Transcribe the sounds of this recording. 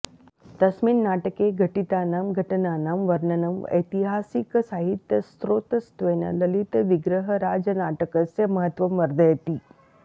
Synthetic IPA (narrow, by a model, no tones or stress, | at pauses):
t̪ɐsmiːnnaʈəkeɡʱəʈit̪anamɡʱəʈənanamʋəɾnənəmə̰jt̪iɦasiksaɦit̪jəst̪ɾot̪əst̪ʋenə̰ləlit̪ʋiɡɾəɦəɾad͡zənaʈəkəst͡seməɦət̪ʋəmʋəɾd̪ʱəjət̪iː